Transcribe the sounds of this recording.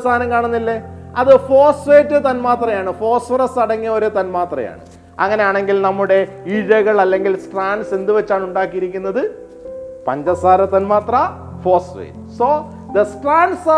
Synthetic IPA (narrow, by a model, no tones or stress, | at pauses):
st̪ʰaːnɐmkaːɳunːilːe̞ɐðɨfo̞ːsʋeːtːɨt̪ɐnmaːt̪rɐjaːɳɨfo̞ːsfɐrɐsɐɽɐŋːijɐoɾet̪ɐnmaːt̪rɐ̰ja̰ːɳɨ̰ | ɐ̰ŋːɐne̞jaːɳe̞ŋɡilnɐmːuɽe̞ | iɻɐɣɐɭɐlːe̞ŋɡilsʈraːnɖse̞nd̪ɨʋɐt͡ɕːaːɳuɳɖaːkːijiɾikʲːunːɐðɨ | pɐɲd͡ʑɐsaːɾɐt̪ːɐnmaːt̪rɐ | fo̞ːsʋḛːtɨsoː | d̪ɐsʈraːnɖs